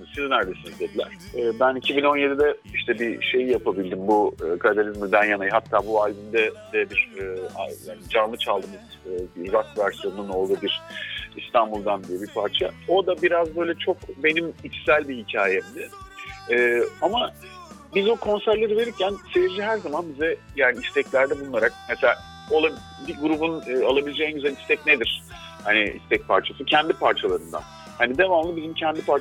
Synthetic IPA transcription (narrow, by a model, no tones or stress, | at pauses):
sininæɾd̪esind̪ɛd̪ed̪ilʲæ̰ɾ̥ɛːbænicʰibino̞nje̞d̪id̪ɛiʃt̪ʰɛbiʃe̞jjapʰabilʲd̪imbuɯːkʰapit̪ʰalʲizmɯd̪ænjanajɦat̪ʰːaːbualʲbind̪ɛd̪ɛbiɾa̰jaːnid͡ʒaɾmɯt͡ʃʰalˠd̪ɯmɯz̥ɯːvakvæɾsijo̞nnuno̞lˠd̪uːbiɾ̥ist̪ʰanbulˠd̪and̪ijɛbiɾpʰaɾt͡ʃʰao̞d̪abiɾazbø̞jlʲɛt͡ʃʰo̞kbe̞nimit͡ʃsælʲbihicʰaːjɛmd̪ɪː | ama | bizokʰo̞nsæɾlʲe̞ɾɯve̞ɾiɾcʰænseviɾd͡ʒiɦæɾzamanbizɛjaːniist̪ʰɛclʲæɾd̪ɛbunˠlˠaɾak̚mɛselʲaː | olˠab | biɡuɾubunːalˠabilʲid͡ʒeinyzanist̪ɛcned̪iɾ̥ | hanḭḭst̪ʰɛc̚pʰa̰ɾt͡ʃʰasɯcʰɛnd̪ipʰaɾt͡ʃʰalˠaɾɯnd̪a̰n | hanid̪e̞vamlˠɯbizimcʰɛnd̪ipʰaɾ